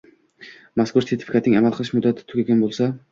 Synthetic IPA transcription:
maskʊɾse̞ɾt̪ʰɪ̥fʲkʰat̪nɪŋamalˠqɨlˠɪʃmʊd̪ːat̪ʰɪ̥t̪ʰʊɡʲaɡʲanbolˠsa

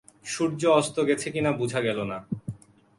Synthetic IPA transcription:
ʃuɾd͡ʑoɔst̪oɡɛt͡ɕʰekinabud͡ʑʱaɡɛlona

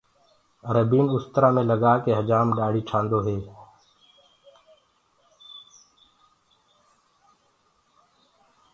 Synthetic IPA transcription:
ɾəbiːnʊst̪ɾaːmẽːləɡaːkeːɦəd͡ʒaːmɖaːɽ̤iːʈʰãːnd̪oːɦeː

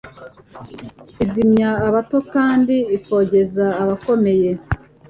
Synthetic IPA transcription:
izimɲaːβato̞kaːndiiko̞ːɟe̞zaːβako̞me̞je̞

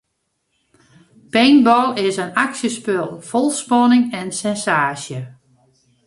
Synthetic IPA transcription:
pejnbɔlˠɪsənaksjəspølˠfɔlˠspɔnɪŋɛnsɛnsaːsjə

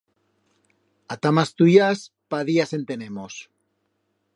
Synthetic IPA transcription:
at̪amast̪ujas | paðiase̞nt̪e̞ne̞mos

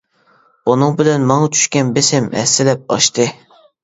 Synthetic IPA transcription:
unɨŋbɪlɛnmɑŋɑt͡ʃʰy̥ʃkʲɛnbesɪmɛ̰sːɪlɛp̚ɑ̰ʃt̪ʰɨ

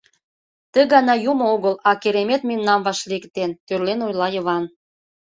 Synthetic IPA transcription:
t̪ə̆ɣɑnɑjumooɣəlɑkeɾemet̪memnɑmβɑʃlikt̪ent̪ørlenojlɑjə̆βɑn

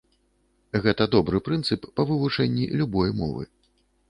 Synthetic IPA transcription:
ɣɛt̪ɐd̪ɔbɾɨpɾɨnt̪sɨpːɐvɨvut͡ʂɛnʲːḭlʲubɔjmɔ̰vɨ̰

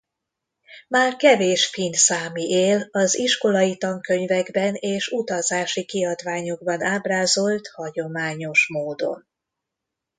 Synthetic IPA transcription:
maːrkɛveːʃfinsaːmiʔeːlɒziʃkolɒjit̪ɒŋkø̞ɲvɛɡbɛneːʃut̪ɒzaːʃikiɒd̪vaːɲo̞ɡbɒnaːbraːzo̞lt̪hɒɟo̞maːɲo̞ʃmoːd̪o̞̰n

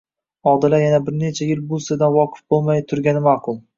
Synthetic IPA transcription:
ɒd̪ɪlajanabɪɾne̞t͡ʃʰajɪlbʊlˠsɪd̪anwɒqʰɨ̥fbolˠmajt̪ʰʊɾɡʲanɪmaqʰʊlˠ

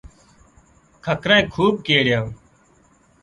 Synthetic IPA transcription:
kʰəkɾaẽːkʰuːb̚keːɽjãː

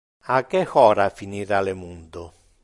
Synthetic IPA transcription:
akːɛxɔːɾafiniɾalɛmund̪ʊ

